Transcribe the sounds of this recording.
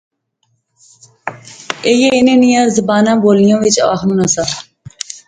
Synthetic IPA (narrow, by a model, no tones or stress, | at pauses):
ejeɪnẽːnɪjãːzəbaːnãːboːlɪjõːʋɪt͡ʃə̰ʋa̰ːxnũːnasaː